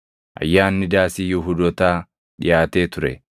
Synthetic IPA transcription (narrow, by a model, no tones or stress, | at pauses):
ʔɐ̰jːaːnːɪd̪aːsɪjʊɦʊd̪ɔt̪aː | ᶑɪ̰jaːt̪e̞ːt̪ʊɾɛ̰